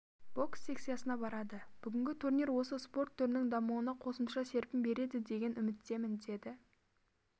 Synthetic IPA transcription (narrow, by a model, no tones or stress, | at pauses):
b̥o̞ksːe̞kt̪sijasənɑbɑɾɑd̪əb̥ʏɡʲɪŋʲɡʲɪt̪ʰurniɾwo̞səspo̞rt̪ʰːʏɾnɪŋd̪ɑmuwənɑqʰo̞səmʃɑse̞ɾpɪmbe̞ɾe̞d̪ɪd̪e̞ɡʲe̞nʏmɪt̪ːe̞mɪnd̪e̞d̪ɪ